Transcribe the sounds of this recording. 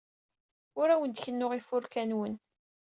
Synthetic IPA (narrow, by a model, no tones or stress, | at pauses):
ʊɾæwənd̪çənːʊʁifʊɾkænwən